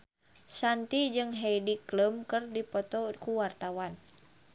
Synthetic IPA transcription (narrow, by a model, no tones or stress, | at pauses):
sant̪id͡ʒɨŋɦɛjdikləmkərdipɔt̪ɔkuwart̪awan